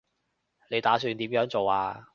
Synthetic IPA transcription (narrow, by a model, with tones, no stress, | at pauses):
le˨˧jt̪aː˨˥syː˧nt̪iː˨˥mjœː˨˥ŋt͡so˨waː˧